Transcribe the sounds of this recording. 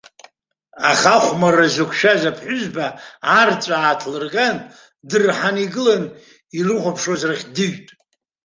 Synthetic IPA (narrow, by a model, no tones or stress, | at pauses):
aχaχʷmarazokʷʰʃazapʰħʷʊzbaart͡sʷʼaːtʰlɨrɡan | dɨrħaniɡɨlan | irɨχʷapʰʂozraχʲdɨɥtʼ